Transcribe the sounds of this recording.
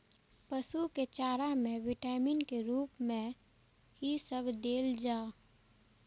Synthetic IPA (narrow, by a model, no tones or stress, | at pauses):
pəsuket͡ʃaːɾamẽʋɪʈaːminkeɾuːpmẽ | ɦisəbʱd̪eːld͡ʒaː